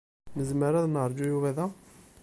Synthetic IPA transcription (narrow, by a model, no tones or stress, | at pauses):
məzməɾæðnəɾˤd͡ʒujuvæðæ